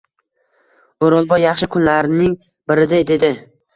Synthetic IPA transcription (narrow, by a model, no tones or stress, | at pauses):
oɾɒlˠbɒjːɑχʃɪkʰʊnlaɾɪnɪŋ | bɪɾɪd̪ajd̪e̞d̪ɪ